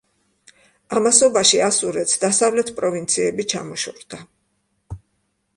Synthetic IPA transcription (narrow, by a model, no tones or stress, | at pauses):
amasɔbaʃiasuɾɛt̪sd̪asavlɛt̪ʰpʼɾɔvint̪sʰiɛbit͡ʃʰamɔʃɔɾd̪̥a